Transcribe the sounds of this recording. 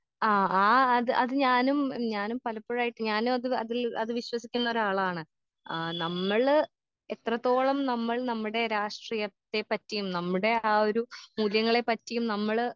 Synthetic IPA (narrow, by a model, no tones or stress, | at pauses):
aːaːɐðɨʔɐðɨɲaːnumɲaːnumpɐlɐpːɐɻaːjiʈːɨɲaːnumɐðɨɐ̰ðilɐðɨʋiɕwɐsikʲːunːɐo̞ɾaːɭaːɳɨ | nɐmːɐɭ | e̞t̪rɐt̪ːo̞ːɭɐmnɐmːɐɭnɐmːuɽe̞ɾaːʂʈriːjɐt̪ːe̞pɐtːijumnɐmːuɽe̞aːo̞ɾumuljɐŋːɐɭe̞pɐtːijumnɐmːɐɭ